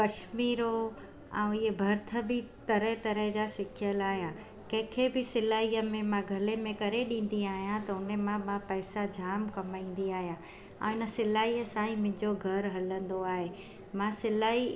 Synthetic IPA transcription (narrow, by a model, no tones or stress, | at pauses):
kɐʃmiːɾo | ɛ̰̃ːɪebʱɐɾt̪ʰə̆bɪt̪ɐɾəɦt̪ɐɾəɦd͡ʑaːsɪkʰɪjəlaːɦijã | kɐ̃ɦɪ̃kʰebɪsɪlaːɦiːəmẽmãɡʱɐlemẽkɐɾeɗĩːn̆d̪iaːɦijãt̪ɐʊnəmãmãpɛːsad͡ʑʱaːmkɐmaːĩːn̆d̪iaːɦijã | ɛ̰̃ːɪnə̆sɪlaːɦiːəsaːĩmʊ̃ɦɪ̃ɲd͡ʑoɡʱɐɾɦɐlə̃nd̪oaːɦeː | mãsɪlaːi